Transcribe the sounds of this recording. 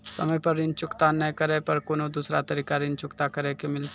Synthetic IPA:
sɐ̰məjpɐɾɪnt͡ʃʊkt̪anəkəɾɛpɐɾkoːnod̪uːsɾat̪ɐɾiːkaɾɪnt͡ʃʊkt̪akɐɾɛkemɪl

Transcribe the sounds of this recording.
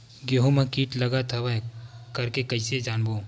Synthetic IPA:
ɡeɦomãkiːʈlɐɡat̪ʰɐʋakɐɾkekɐɪsed͡ʒaːnboː

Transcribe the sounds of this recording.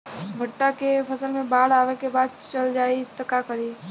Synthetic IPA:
bʱəʈːakepʰəsəlmẽbaːɽaːʋekebaːd̪̚t͡ʃəld͡ʒaːit̪ɐkakəɾiː

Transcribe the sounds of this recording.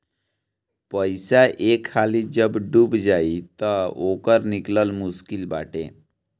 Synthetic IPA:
pəjsaʔekʰːalid͡ʑəbɖuːbd͡zait̪əokəɾnikləlmuskilba̰ʈʰḛ̃

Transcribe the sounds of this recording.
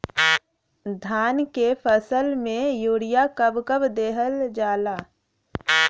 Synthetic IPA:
d̪ʱaːnkepʰəsəlmẽjuːɽijakəbkəbd̪eːɦəld͡ʒaːlaː

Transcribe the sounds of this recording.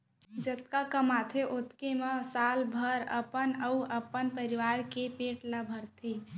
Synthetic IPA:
d͡ʒət̪kakəmat̪ʰeʔot̪kemesalbʱəɾə̰pənəuəpːənpəɾiʋaɾkepeʈləbʱəɾt̪ʰe

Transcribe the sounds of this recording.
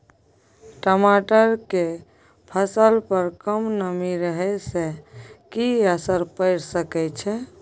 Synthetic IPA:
ʈəmaʈəɾke | pʰəsəlpəɾkəmnəmiɾəɦɛsekiəsəɾpəɪɾsəkɛt͡ʃʰɛ

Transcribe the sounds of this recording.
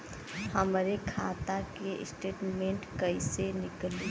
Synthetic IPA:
həmɾekʰa̰t̪akḛsʈeːʈmẽɳʈkəisenɪkli

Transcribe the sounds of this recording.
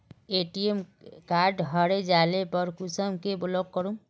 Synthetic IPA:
eʈiemkaːɾɖɦəɾed͡ʒaːlepəɾkusəmkebʊlɔk̚kːəɾũ

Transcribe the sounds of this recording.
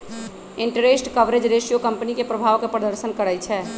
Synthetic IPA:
eɳʈəɾesʈkəʋɾed͡ʒɾesijokəmpənikepɾəbʱaʋkepɾəd̪əɾsənkəɾɛjt͡ʃʰɛ

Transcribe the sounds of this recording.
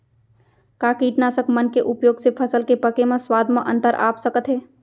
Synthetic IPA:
kaːkiːʈnaːsəkmənkeʔʊpjoːɡsepʰəsəlkepəkemãswaːd̪ʱməʔə̰̃nt̪əɾʔa̰ːpsəkət̪ɦɛː

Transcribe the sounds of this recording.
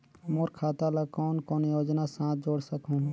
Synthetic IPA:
moːɾkʰaːt̪alakɔːnkoːnjoːd͡ʒnasãːt̪̚ʰd͡ʒoːɽsəkɦũ

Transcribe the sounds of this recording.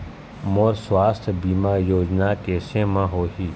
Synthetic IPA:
moːɾswaːst̪ʰbiːmaːjoːd͡ʒnakeːsẽmãɦoːɦiː

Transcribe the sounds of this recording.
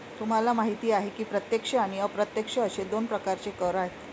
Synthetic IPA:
t̪um̤alamaɦit̪iːaɦekiːpɾət̪jekʂəaɽ̃iəpɾət̪jekʂəəɕed̪onpɾəkaɾt͡ɕekəɾaɦet̪

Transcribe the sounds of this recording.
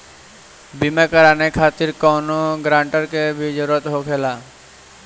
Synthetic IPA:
bimekəɾaːnekʰaːt̪ɪɾkɔːnoɡɾãːɳʈəɾkebʱid͡ʒəɾuːɾət̪ɦokʰeːlaː

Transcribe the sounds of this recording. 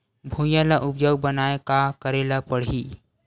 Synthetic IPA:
bʱũjãlaʔʊp̚d͡ʒəwbənaːekakəɾelapəɽ̤i

